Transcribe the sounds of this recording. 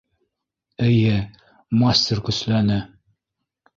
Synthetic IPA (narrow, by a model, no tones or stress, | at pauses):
ɘjɘ | mɑsʲt̪ʲerkɵ̆slænɘ